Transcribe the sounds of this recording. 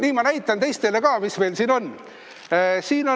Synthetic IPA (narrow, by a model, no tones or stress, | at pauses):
niːmɑnæjt̪ˑːɑnt̪e̞jst̪elekɑːmisme̞lsiːno̞nː | siːno